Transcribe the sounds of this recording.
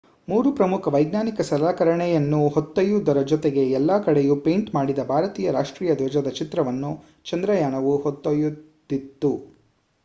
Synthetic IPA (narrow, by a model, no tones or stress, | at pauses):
muːɾupɾɐmukʰɐʋɐjɡnaːnikɐsɐlaːkɐɾɐɳɛjɐnːuɦot̪ːɐjud̪ɐɾɐd͡ʒɔt̪eɡeɛlːaːkɐɽejupe̞jɳʈmaːɽid̪ɐbʱaːɾɐt̪iːjɐɾaːʂʈɾiːjɐd̪ʋɐd͡ʒɐd̪ɐt͡ʃit̪ɾɐʋɐnːu | t͡ʃɐnd̪ɾɐjaːɳɐʋuhot̪ːɐjud̪it̪ːu